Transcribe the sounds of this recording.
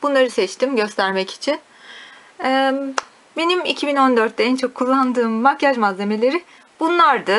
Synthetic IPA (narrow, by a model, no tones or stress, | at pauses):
b̥unlˠaɾɯsɛt͡ʃt̪imɟø̞st̪ʰæɾmɛci̥t͡ʃʰin | ɛ | be̞nimicʰibino̞nd̪ø̞ɾt̪̚d̪ɛænt͡ʃʰo̞kʰːulˠːand̪ɯːmːakːaʒmazlʲːe̞me̞lʲe̞ɾi | bunlˠaɾd̪ɯ